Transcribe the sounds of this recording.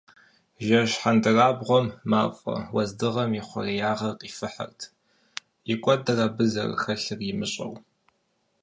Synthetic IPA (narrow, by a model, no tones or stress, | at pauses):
ʒɐʃħandɨraːbʁʷɔmːaːpʼɐ̰wɐzdɨʁɐmjɪχʷɔ̰rijaːʁɐqʼifɨħa̰rtʰ | jɪkʷʼɔdɨraːbɨzɐ̰r̰xɐɬɨrjɪmɨɕʼɐ̰w